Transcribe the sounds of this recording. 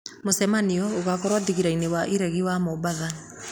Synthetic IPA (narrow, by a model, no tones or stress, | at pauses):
mosɛmaniɔoɣakɔɾwadiɣiɾainewaʔiɾɛɣiwamobaða